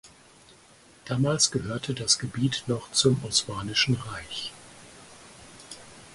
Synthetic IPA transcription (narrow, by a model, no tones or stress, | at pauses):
d̥aːmaːlsɡ̥əhøːɐtʰədasɡ̥əbiːtnɔχt͡sʊmɔsmaːnɪʃn̩ʁaɪç